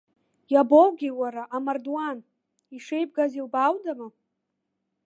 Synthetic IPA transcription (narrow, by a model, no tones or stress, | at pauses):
jabowɡʲiwaɾaʔamardwan | iʂejb̚ɡazilbawdama